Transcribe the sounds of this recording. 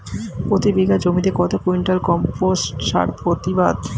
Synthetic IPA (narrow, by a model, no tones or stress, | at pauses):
pɾot̪ibiɡʱad͡ʑomid̪eɾkɔt̪ʰakuiɳʈalkɔmposʈʃa̰ɾpɾot̪ibad̪